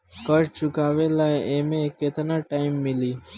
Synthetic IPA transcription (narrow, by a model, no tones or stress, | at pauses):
kəɾt͡ʃʊkaːʋeːlaːeʔeːmẽkːeːt̪nãːʈaːɪmːɪliː